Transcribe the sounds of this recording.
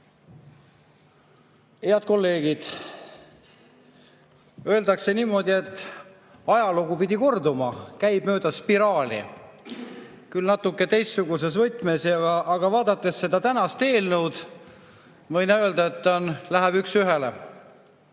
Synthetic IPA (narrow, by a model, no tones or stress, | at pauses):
heɑd̪̚ko̞lːe̞ːɡ̥id̪̥ | ø̞eld̪̥ɑkse̞niːmo̞d̪ʲie̞t̪ːˑ | ɑjɑluɡupid̪̥ʲiko̞rd̪umɑkæjb̥̚mø̞ːd̪̥ɑspiɾɑːlʲḭ | kylnɑt̪ːˑukːˑe̞t̪e̞jsːuɡ̥us̬e̞svɤjt̪ːˑme̞sjɑɡɑʔːɡ̥ɑvɑːd̪̥ɑt̪ˑːe̞sːe̞d̪̥ɑt̪ænɑst̪e̞ːlnəwd̪̥ | mɤjnɑø̞ːld̪ɑet̪ːˑɑnlæɦæb̥yksyɦelḛ